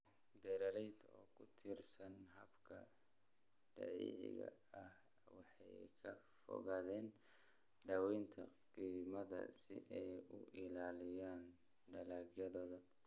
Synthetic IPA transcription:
bɛɾɐlɛjd̪ɔːkʰʊt̪ʰɪrsɐnɦɐbkʰɐ | ɖ̥ɐ̰ʕḭːʕɪ̰ɣɐ̰ɐh | wɑħɑjkʰɐ | fɔ̰ɣɐðɛːn | ɖɐwɛnt̪ʰɐqiːmɐðɐ̰sɪ̰ʔɛjʊʔɪlaːlɪjaːn | ɖɐlaːɡjɐðɔːðɐ

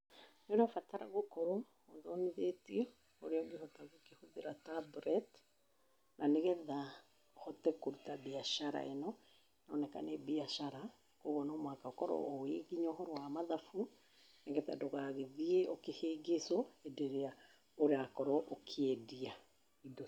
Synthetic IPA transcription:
nenɔfataɾa̰ɣokɔɾɔː | ðɔniðetiɛ | o̰ɾeɔɡehɔtaɣokehoðeɾatabɾɛt | naneɣɛða | hɔtɛkoɾutabiaʃaɾa̰enɔ | nɔːnɛka̰nɛbiaʃaɾa | koɣɔnɔmwakaɔkɔɾɔ̰oeɡiɲɔhɔɾɔwamaðafu | neɣɛða̰doɣaːɣeðieokeheːɡesɔɛdeɾea | oɾeakɔɾɔʔokʰeedia | idɔ

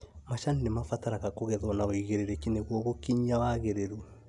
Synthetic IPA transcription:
maʃaninemafataɾaɣakoɣɛðwɔnaoiɣeɾeɾekineɣwɔɣokiɲawaɣeɾeɾu

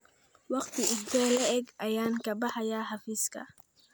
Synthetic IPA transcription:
wɑqt̪ʰɪʊt̪ɛːlɐʔɛɡʔɐjaːŋkʰɐbɑħɑjaːħɑfiːskʰɐ̰

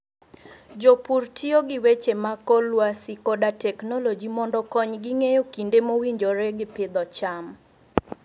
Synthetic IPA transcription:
d͡ʒopurtʰioɡɪwet͡ʃemakɔlwasikodatɛknɔlod͡ʒimɔndɔkɔɲɡɪŋejokindemowiɲd͡ʒoɾeɡɪpɪd̪ɔt͡ʃam

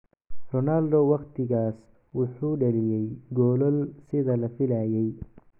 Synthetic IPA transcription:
rɔnaːld̪ɔwɑqt̪ʰɪɣaːs | wʊħuːɖɐlɪjɛjɡɔːlɔlsɪðɐlɐfɪlaːjɛj

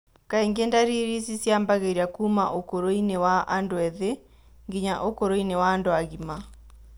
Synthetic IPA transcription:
kaeŋɡendaɾiɾisisjambaɣeɾiakuːma̰ʔokoɾoinewaʔandoɛðe | ŋɡiɲaʔokoɾoinewaːndoaɣima

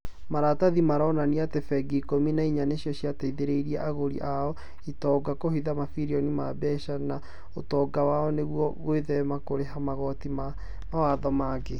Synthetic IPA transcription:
maɾataðimaɾɔːnaniatefɛɡikominaiɲaneɕiɔɕiataiðeɾeiɾiɛʔaɣoɾḭʔaɔ | itɔːɡakohiðamafiɾiɔnimabɛʃana | otɔːɡawaɔneɣwɔɣoeðɛmakoɾeɦamaɣɔtima | mawaðɔmaːɡe

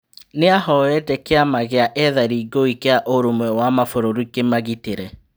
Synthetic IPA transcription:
neahɔɛtɛkeamaɣeaʔɛðaɾiɡoikeaʔoɾomwɛwamafoɾoɾikemaɣiteɾɛ

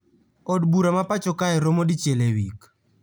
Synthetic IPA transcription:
ɔdbuɾamapat͡ʃɔkaɛɾomodit͡ʃjelewik

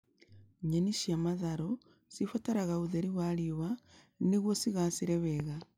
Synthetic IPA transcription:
ɲeniʃiamaðaɾo | sifotaɾaɣauðeɾiwaɾiβa | niɣwosiɣasiɾeβeɣa

